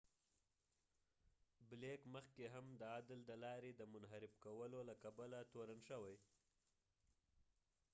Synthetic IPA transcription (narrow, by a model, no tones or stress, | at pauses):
blekməxkeɦamd̪əɑd̪ɪld̪əlɑɾed̪əmʊnɦaɾɪbkawəlolakabalat̪oɾanʃəwaj